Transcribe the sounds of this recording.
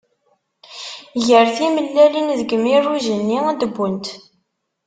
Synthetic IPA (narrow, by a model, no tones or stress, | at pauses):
ʝəɾθiməlːælinðəɡəmirːuʒənːiæd̪əbːunt̪